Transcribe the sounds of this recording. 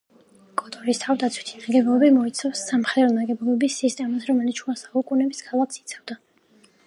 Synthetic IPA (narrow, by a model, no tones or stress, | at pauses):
kʼɔt̪ʼɔɾist̪ʰavd̪at̪sʰwit̪ʰinaɡɛbɔlɔbimɔit̪sʰafsːamχɛd̪ɾɔnaɡɛbɔlɔbisːist̪ʼɛmasɾɔmɛlit̪ʃʰt͡ʃʰuasaukʼunɛbiskʰalˠakʰsi̥t̪sʰavd̪a